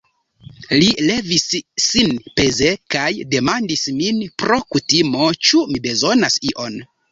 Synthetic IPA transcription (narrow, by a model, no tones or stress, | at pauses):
lile̞visːinpe̞ze̞kajde̞mandisminpɾo̞kutimo̞t͡ʃumibe̞zo̞nasiʔo̞n